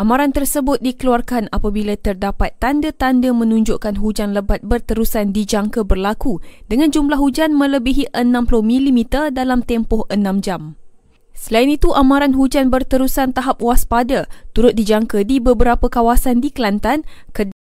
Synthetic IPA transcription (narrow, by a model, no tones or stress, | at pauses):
ʔamãɾant̪ərsəbʊt̪̚dikəluarkanapabilat̪ərdapat̪ːandət̪andəmə̃nũɲd͡ʒʊʔkanɦud͡ʒanləbat̪̚bərt̪əɾusandid͡ʒaŋkəbərlakudəŋãnd͡ʒumlaɦud͡ʒanmə̃ləbiɦiʔənãmplʊmĩlimit̪ərdalamt̪ɛmpɔhʔənãmd͡ʒam | səlainit̪uʔamãɾanɦud͡ʒanbərt̪əɾusant̪aɦap̚waspadat̪uɾʊt̪̚did͡ʒaŋkədibəbəɾapəkawasandikəlant̪ankə